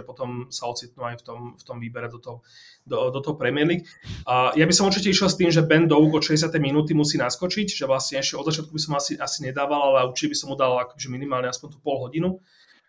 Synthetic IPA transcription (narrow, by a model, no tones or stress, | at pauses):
ɛpɔt̪ɔmsaɔt͡sit̪̚nuajft̪ɔmft̪ɔmʋiːbɛɾɛd̪ɔt̪ɔɦɔ | d̪ɔd̪ɔt̪ɔɦɔpɾɛmɪɛɾlikː | jabisɔmuɾt͡ʃicɛiʃjɛlˠst̪iːmʒɛbɛnd̪ɔuɡɔʃɛɟɛs̬jat̪ɛjminuːt̪̬imusiːnaskɔt͡ʃiɟʒɛʋlasɲɛɛʃcɛɔd̪zat͡ʃɪat̪kubisɔmasiʔasiɲɛd̪aːʋalalɛuɾt͡ʃicɛbisɔmːud̪alakɔʒɛminimaːlɲɛaspɔnʲt̪upɔlɦɔɟinu